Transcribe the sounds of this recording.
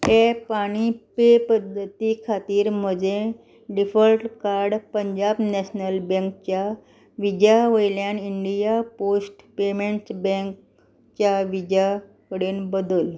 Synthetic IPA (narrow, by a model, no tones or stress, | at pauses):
tepaɽ̃ipepəd̪ʱːət̪ikʰat̪iːɾm̤əd͡ʑe | ɖifəlʈkaɾɽpəɲd͡ʑabnɛɕnəlbɛ̃ŋk̚t͡ɕja | ʋid͡ʑjaʋəjljãɳiɳɖijaposʈpemeɳʈsbɛ̃ŋk | t͡ɕjaʋid͡ʑja | kəɽeːnbəd̪uːl